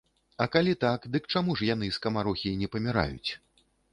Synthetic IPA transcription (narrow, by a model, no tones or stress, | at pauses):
ɐkalʲit̪akd̪ɨkt͡ʂamuʂjan̪ɨskɐmaɾɔxʲinʲɛpɐmʲiɾa̰jṵt͡sʲ